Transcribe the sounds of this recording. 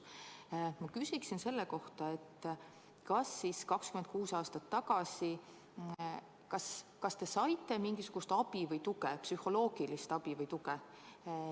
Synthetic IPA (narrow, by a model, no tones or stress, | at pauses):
mɑkysiksinse̞lːeko̞ht̪ɑe̞t̪ː | kɑsːiskɑkskymend̪̥̚kuːsɑːst̪ɑt̪ːɑɡ̥ɑsi | kɑskɑst̪e̞sɑjt̪ːˑe̞miŋɡisuɡ̥ust̪ɑb̥ivɤjt̪uɡepsyho̞lo̞ːɡ̥ilist̪ɑb̥ivɤjt̪uɡe